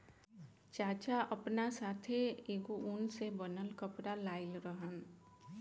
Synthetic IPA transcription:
t͡ʃaːt͡ʃaʔəpnasaːt̪ʰeeɡoʔunsebənəlkəpɾalaːɪlɾəɦən

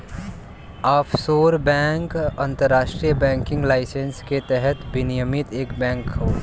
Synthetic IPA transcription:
aːfʰsoːɾbɛ̃ːŋkɐ̃nt̪əɾːaːʃʈɾijəbɛ̃ːŋkɪ̃ŋɡlaːɪsənsket̪ɛɦɛt̪bɪnijəmɪt̪eːkbɛ̃ːŋkɦoː

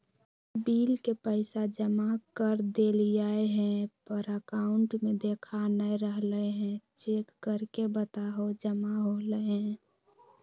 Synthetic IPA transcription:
biːlkepəɪsad͡ʒəmakəɾd̪eld͡ʒaeɦɛ̃pəɾəkaʊɳʈmed̪eːkʰanəɾəɦləɦɛ̃t͡ʃeːkːəɾkebət̪aɦod͡ʒəmaɦoləɦɛ̃

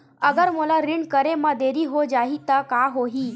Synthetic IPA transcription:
əɡəɾməlaɾiɳkəɾeməd̪eɾiːɦod͡ʑaɦit̪əkaɦoɦiː

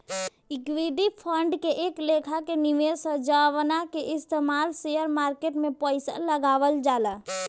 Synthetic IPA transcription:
ikʋiɖipʰəɳɖkeʔeklekʰakenimesəd͡ʒaʋnakeʔɪst̪emalsejəɾmaːɾkeʈmẽpəɪsa̰ləɡaːʋəld͡ʒaːla

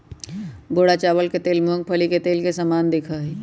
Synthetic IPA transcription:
boːɽat͡ʃaːwəlket̪eːlmõŋɡ̚pʰəliket̪eːlkesamaːnd̪ekʰəɦɛ

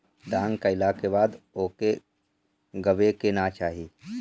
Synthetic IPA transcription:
d̪ãːŋɡkaɪlakebaːd̪oːke | ɡəʋekenat͡ʃaːɦiː

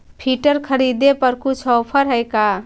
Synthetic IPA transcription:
pʰiʈəɾkʰəɾid̪epəɾkut͡ʃʰɔwpʰəɾɦəjka

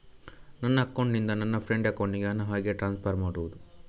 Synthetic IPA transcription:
nɐnːɐɐkːoɳɖnind̪ɐnɐnːɐpʰɾeɳɖɐkːoɳːiɡeɐnːɐɦaːɡeʈɾaːnspʰɐɾmaːɽuʋud̪u

